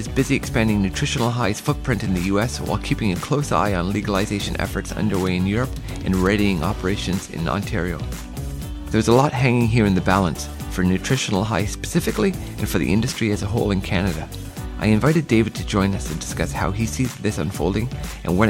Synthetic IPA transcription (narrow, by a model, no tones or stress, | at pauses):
ɨzbɪziɨkspæ̃ndɪ̃ŋnʉtʰɹ̥ɪʃɨ̃nl̩ˠɦaɪz̥fʊk̚pʰɹ̥ɪ̃ntɨ̃nðɨjʉɛswa̰ɪlˠkʰipɪ̃ŋɨkʰl̥oʊsa̰ɪə̃nliɡəlˠəzeɪʃɨ̃nɛ̰fə˞tsʌ̰̃ndə˞weɪɨ̃njʊɹɨp | ʔɨ̃nɹɛɾiɪ̃ŋʔɑ̰pə˞eɪʃɨ̃nzɪ̰̃nɑ̰̃ntʰɪɹioʊ | ðə˞wʌzəlɔt̚ɦæ̃ŋɪ̃ŋɦiɹɨ̃nðɨbælˠə̃ns | fə˞nʉtʰɹ̥ɪʃn̩l̩ˠɦaɪspɨ̥sɪfɨkliʔɨ̰̃nfə˞ðḭʔɪ̰̃ndɨstɹ̥iɨzəɦoʊlˠɨ̃nkʰænɨɾɨ | ʔaɪɨ̃ɱvaɪɾɨdeɪvɨd̚tʰɨd͡ʒɔ̃ɪ̃nʌsɨ̃ndɨskʌshaʊisizðɪsʌ̃nfoʊlˠdɪ̃ŋʔɨ̰̃nwʌ